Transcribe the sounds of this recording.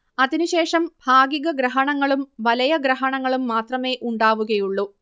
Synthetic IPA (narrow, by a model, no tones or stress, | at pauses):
ɐðinuɕe̞ːʂɐmbʱaːɡiɣɐɡɾɐɦɐɳɐŋːɐɭumʋɐlɐjɐɡɾɐɦɐɳɐŋːɐɭumːaːt̪rɐme̞ːʔuɳɖaːʋuɣɐjuɭːu